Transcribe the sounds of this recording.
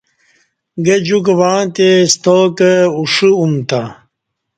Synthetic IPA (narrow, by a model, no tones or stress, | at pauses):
ɡed͡ʑukwaːt̪est̪oːkəuʂiumt̪a